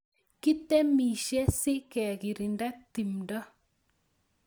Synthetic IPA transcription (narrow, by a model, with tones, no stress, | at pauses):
ki˦tɛ˦mi˨ʃɛ˦sɪ˦ʔkɛ˨ɣi˨ɾi˨nda˦ti˨mda˦